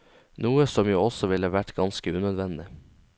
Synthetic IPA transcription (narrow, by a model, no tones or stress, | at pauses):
nuːəsɔmjuːɔsɔʋɪləʋæʈɡɑnskəʉːnød̪ʋɛnd̪ɪ